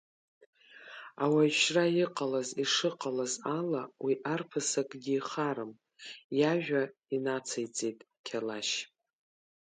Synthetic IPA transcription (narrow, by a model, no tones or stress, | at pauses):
a̰waʃrajɪqʼalaziʂɨqʼalazalawiʔarpʰɨsakʼɡʲiːχaɾɨm | jaʒᶣainat͡sʰajt͡sʼejtʼ | kʲʰalaʃ